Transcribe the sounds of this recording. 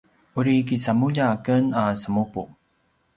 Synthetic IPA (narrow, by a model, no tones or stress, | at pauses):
uɾikisamuʎakənasəmupu